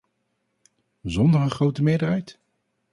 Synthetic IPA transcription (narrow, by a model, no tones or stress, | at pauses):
zɔndəɹənχrowtəmɪːdərɛjt